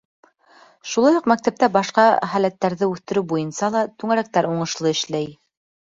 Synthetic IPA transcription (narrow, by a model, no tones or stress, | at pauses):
ʃulˠɑjuqmæk̚t̪æp̚t̪æbɑʃqɑχælæt̪ːæɾðɘʉθt̪ɘ̆ɾɘwbujɤ̆nsɑlˠɑt̪ʉŋæɾæk̚t̪æɾuɴɤ̆ʃlˠɤɘ̆ʃlæj